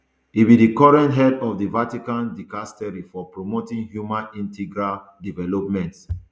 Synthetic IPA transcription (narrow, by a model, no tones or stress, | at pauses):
itbidikɔɹɛ̃ntɦɛdɔfdivatikãndikastɛɹifɔpɹomotĩŋhjumãnĩntʰiɡɹaldivɛlɔp̚mɛ̃nt